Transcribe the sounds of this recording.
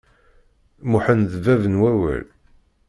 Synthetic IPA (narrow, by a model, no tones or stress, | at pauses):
muħənðəvævənwæwæ̰l